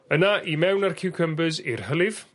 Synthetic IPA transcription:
ənaʔimɛwnarkʰɪwkʰəmbɨzirhəlˠɪð̥

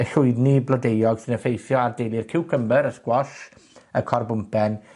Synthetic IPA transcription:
əɬʊɨdniblˠɔdejɔɡ̥sinəfejθjɔardejlˠɪrkʰɪwkʰəmbəɾəskwɔʃ | əkʰɔrbʊmpʰɛn

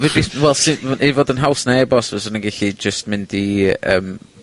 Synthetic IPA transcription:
vɛbiswɛlˠsɪevɔdənɦawsnaɛbɔsvɛsənəŋɡɛɬid͡ʒəst̚mɪndiə̰ːm

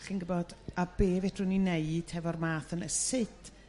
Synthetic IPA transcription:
ɬinɡəbɔd̥abeːvetʰrʊnineɨd̥ʰhɛvɔrmaːθənəsɪtʰ

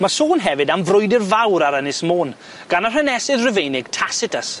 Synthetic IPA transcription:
masoːnɦɛvɨdamvrʊjdɪrvawɾaɾənɪsmoːn | ɡ̥anarənɛsɪðrɪvejnɪɡ̥̚tʰasɪtʰəs

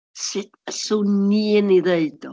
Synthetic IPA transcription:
sɪtəsuniniðejdɔ

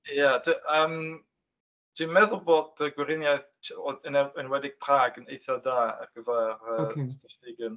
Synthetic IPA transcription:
jadəʔəːm | d̥inmɛðʊlˠboːd̚əɡwɪɾɪnjajθənɛənwɛdɪɡ̥̚pʰr̥aːɡənejθadaːə̰rɡ̥əvaːrəstəfɪɡən

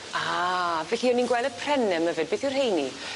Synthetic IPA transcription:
avɛɬiɔninɡwɛlˠəpʰrɛnɛməvɨd̚beθurhejni

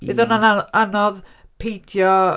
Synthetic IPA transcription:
vɪðɔnanaanɔðpʰejdjɔ

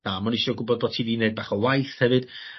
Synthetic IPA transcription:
amɔnɪʃɔɡʊbɔd̚bɔ̥tʰiːdineɨd̚baːχɔwajθhɛvɨd̥

